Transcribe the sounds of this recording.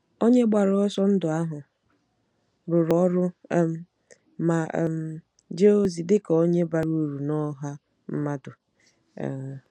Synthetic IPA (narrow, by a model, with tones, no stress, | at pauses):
o˦ɲe˦ɡ͡ba˨ɾɔ˦sɔ˦n̩˦dʊ˨a˦ɦʊ˨ | ɾʊ˨ɾɔ˦ɾʊ˦ | ma̰˨m˨ | d͡ʒe˦o˦zi˨dɪ˦kɔ˨o˦ɲe˦ba˨ɾu˦ɾu˨nɔ˦ɦa˦ | m̩˦ma˦dʊ̰˨